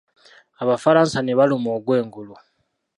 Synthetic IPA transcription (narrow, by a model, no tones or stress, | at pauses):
aβafaɾaːnsaneβalumoːɡwe̞ːŋɡulu